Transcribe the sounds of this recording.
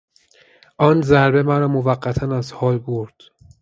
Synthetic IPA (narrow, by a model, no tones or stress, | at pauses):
ʔɒːnzæɾbe̞mæɾɒːmovæɢːæt̪ʰænæzhɒːlboɾd̪̥